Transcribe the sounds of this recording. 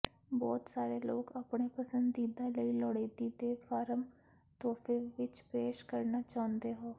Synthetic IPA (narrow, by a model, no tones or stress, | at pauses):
bɔːt̪saːɾeːloːkəpɳeːpəsənd̪iːd̪aːləiːlɔːɽeːd̪iːd̪eːpʰaːɾəm | t̪ɔːpʰeːʋɪt͡ʃpeːʃkəɾnaːt͡ʃaːʊ̃nd̪eːɦoː